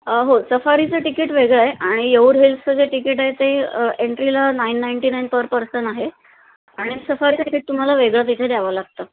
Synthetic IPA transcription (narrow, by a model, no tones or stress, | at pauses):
ɦosəfaɾit͡səʈikiːʈʋeɡɭəeʔaɽ̃ijeuːɾɦilpt͡səd͡zeʈikiʈaɦet̪eeɳʈɾilanainːajɳʈinajnpəɾpəɾsəɳaɦe | aɽ̃isəfaɾit͡saikiʈ̚t̪um̤alaʋeɡɭət̪̬it̪ʰed̪aʋəlaɡt̪əː